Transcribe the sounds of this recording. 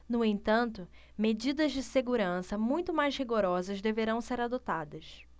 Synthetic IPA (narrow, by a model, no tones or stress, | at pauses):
nʊẽnt̪ɐ̃nt̪ʊ | med͡ʒid̪ɐzd͡ʒɪseɡuɾɐ̃sɐmũj̃t̪ʊmajzhiɡoɾɔzɐzd̪eveɾɐ̃w̃seɾad̪ot̪ad̪ɐs